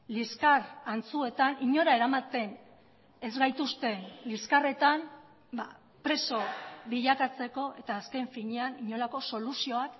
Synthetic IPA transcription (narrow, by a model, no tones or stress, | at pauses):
liskarant͡sue̞t̪aniɲo̞ɾae̞ɾamat̪e̞n | e̞zɣajt̪ust̪e̞nliskare̞t̪am | ba | pɾe̞so̞βiʎakat͡se̞ko̞ʔe̞t̪aːske̞ɱfiɲeaniɲo̞lako̞so̞lusio̞ak